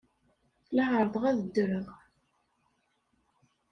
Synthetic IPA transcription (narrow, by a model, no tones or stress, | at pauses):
laʁəɾˤðˤʁæðəd̪ːɾəʁ